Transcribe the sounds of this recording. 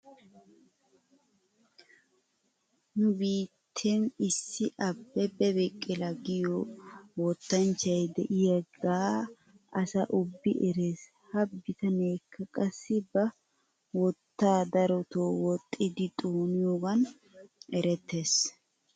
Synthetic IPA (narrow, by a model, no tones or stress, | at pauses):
nʊbiːt̪ʰːenɪsːɪʔɐbːɛbɛbɪkʼːɪlɐɡɪjowɔt̪ːɐnt͡ʃːɐjd̪ɛʔɪjɐɡaː | ɐsɐʔʊbːɪʔɛɾeːs | hɐbːɪt̪ɐne̞ːkːɐkʼɐsːɪbɐ | wɔt̪ːaːd̪ɐɾɔt̪oːwɔt̪ʼːɪd̪ɪt̪ʼoːnɪjoːɡɐn | ɛɾɛt̪ʰːe̞ːs